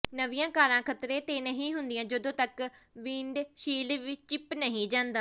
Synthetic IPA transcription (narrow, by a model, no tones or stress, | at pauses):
nəʋɪjãːkaːɾãːkʰət̪ɾeːt̪eːnəɦĩːɦʊnd̪ɪjãːd͡ʒəd̪õːt̪ək | ʋĩːɳɖʃiːlʋit͡ʃɪpnəɦĩːd͡ʒãːnd̪aː